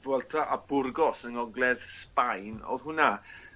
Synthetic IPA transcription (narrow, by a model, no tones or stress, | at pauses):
vwɛlˠtʰaʔabʊrɡɔsəŋɔɡlˠɛðspajnɔ̰ðhɦʊna